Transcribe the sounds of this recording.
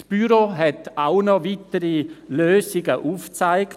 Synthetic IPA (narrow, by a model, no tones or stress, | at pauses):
sb̥yɾoɦɛtaʊnɔvitəɾiløːsɪɡəʔuːft͡saɪk